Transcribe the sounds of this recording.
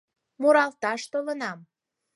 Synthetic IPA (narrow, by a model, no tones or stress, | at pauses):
muɾɑlt̪ɑʃt̪olənɑm